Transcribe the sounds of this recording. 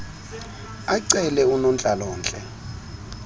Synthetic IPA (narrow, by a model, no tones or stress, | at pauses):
aǀɛlɛunɔnt͡ɬʼalɔːnt͡ɬʼɛ̰